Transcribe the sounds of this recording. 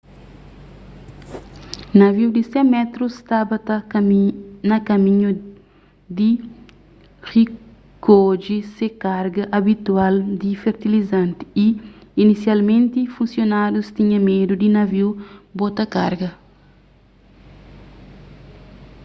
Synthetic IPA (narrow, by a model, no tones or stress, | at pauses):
nɐviwd̪isɛ̃mɛt̪ɾust̪abɐt̪ɐ | nɐkɐmĩɲu | d̪i | ri | kod͡ʒisekaɾɡɐʔɐbit̪uald̪ifeɾt̪ilizãnt̪i̥iːnisjalmẽnt̪ifũnsjonadust̪iɲɐ̃med̪ud̪inɐviwbot̪ɐkaɾɡɐ